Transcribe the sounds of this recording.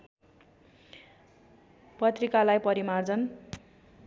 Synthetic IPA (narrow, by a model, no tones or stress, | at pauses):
pʌt̪rikalajpʌɾimard͡zʌn